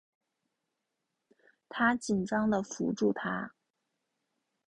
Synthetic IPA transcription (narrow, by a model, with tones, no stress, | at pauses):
t̪ʰa˥t͡ɕi˨˩nʈ͡ʂɑ˥ŋd̪ə˨fṵ˧˥ʈ͡ʂu˥˩t̪ʰa̰˥